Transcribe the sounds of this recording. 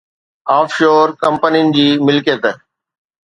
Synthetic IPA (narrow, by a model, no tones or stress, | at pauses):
aːfʰʃoːɾkɐ̃mpənijʊnɪ̆d͡ʑiːmɪlket̪ə